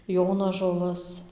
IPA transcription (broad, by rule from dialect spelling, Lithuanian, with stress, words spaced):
ˈjoːnɐʒoːlˠɐs